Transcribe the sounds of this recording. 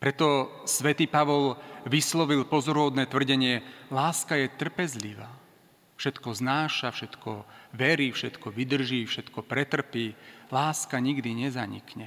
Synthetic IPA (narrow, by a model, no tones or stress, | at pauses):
pɾɛt̪ɔ | sʋɛt̪iːpaʋɔlʋislɔʋilpɔzɔɾuɦɔd̪nɛːt̪ʋr̩ɟɛɲɪɛlaːskajɛt̪r̩pɛzlḭʋaː | fʃɛt̪kɔznaːʃafʃɛt̪kɔʋɛɾiːfʃɛt̪kɔʋid̪r̩ʒiːfʃɛt̪kɔpɾɛt̪r̩piːlaːskaɲiɡd̪iɲɛzaɲḭkɲɛ